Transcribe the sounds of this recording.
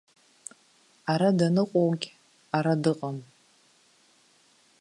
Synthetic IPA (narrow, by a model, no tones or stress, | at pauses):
aɾadanɨqʷʼowɡʲ | aɾadɨqʼam